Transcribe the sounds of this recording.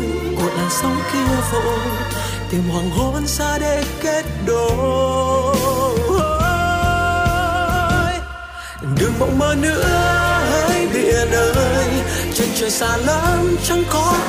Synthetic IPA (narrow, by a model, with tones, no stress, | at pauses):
ko˨˩ət̚laː˨˩sə˧wŋ͡mki˧əvo˧˨j | t̪i˨˩mhwaː˨˩ŋɦo˧˦nsaː˧ɗe˧˩ke˦˥t̚ɗo˨ | ɗɨ˨˩əŋmə̰˧˨wməː˧nɨ̰˧˥əhə˧˥jɓḭ˧˨əɗəː˨˩jt͡ɕe˧˩nt͡ɕəː˨˩saː˧˩lə˧˦˥mt͡ɕɔ˧wŋ͡mkɔ˨˦